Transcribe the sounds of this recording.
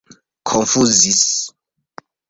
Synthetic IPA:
kʰɔɱfuzis

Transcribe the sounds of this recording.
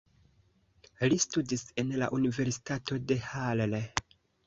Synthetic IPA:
listudise̞nla̰ʔunive̞ɾsi̥tato̞de̞halle

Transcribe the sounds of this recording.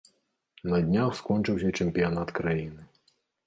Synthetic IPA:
nɐd̪ʲnʲaxwskɔnt͡ʂɨwsʲɐt͡ʂɛmʲpʲijanat̪kɾajinɨ

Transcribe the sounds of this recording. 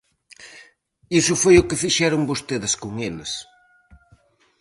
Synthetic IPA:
isʊfojʊkɪfiʃɛɾʊŋbost̪eðɪskʊŋelɪs

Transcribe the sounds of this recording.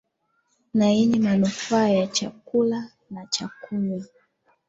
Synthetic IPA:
naiɲimanufaːjat͡ʃakula | nat͡ʃakula

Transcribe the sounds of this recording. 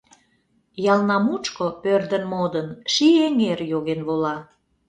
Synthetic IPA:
jɑlnɑmut͡ʃkopørd̪ə̆nmod̪ənʃieŋerjoɣenβolɑ

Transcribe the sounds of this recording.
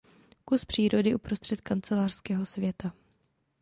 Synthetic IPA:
kuspr̝̥iːɾo̞dɪʔupɾo̞st̪r̥ɛt̪kant͡sɛlaːr̥skɛːɦosvjɛt̪a

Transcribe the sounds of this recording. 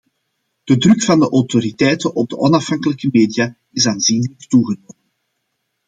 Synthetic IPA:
d̥ədrɵkfɑndəʔɔwtoɾitɛjtənʔɔb̚dəʔɔnɑfɦɑŋkələkəmeːdija | ɪsaːnzinələktuɣənoːmən

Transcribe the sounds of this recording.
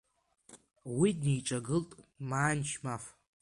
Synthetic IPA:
widnijʈ͡ʂʼaɡɨltʼmaːnt͡ʃʰmaf

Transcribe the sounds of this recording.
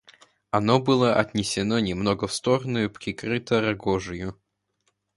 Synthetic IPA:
ɐnobɨlˠəʔɐt̪ʲnʲɪsʲɪnonʲɪmnoɡəfst̪oɾənʊjʊpɾʲɪkɾɨt̪əɾɐɡoʐɨjʊ

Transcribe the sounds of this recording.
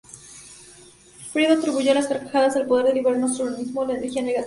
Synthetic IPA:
fɾiβat̪ɾiβuʝo̞laskaɾkaxaðazðelpo̞ð̞e̞ɾðeliβɾaɾnost̪uɾanizmolaeneɾxjaneɣat̪

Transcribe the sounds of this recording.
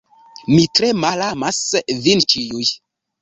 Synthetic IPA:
mitɾe̞malamasvint͡ʃijuj

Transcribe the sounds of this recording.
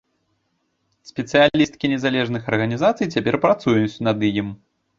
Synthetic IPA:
sʲpʲɛt̪sɨjalʲist̪̚kʲinʲɛzalʲɛʐnɨxɐrɣɐnʲizat̪sɨjt͡sʲapʲɛrpɾat̪sujut͡sʲnɐd̪ɨjim

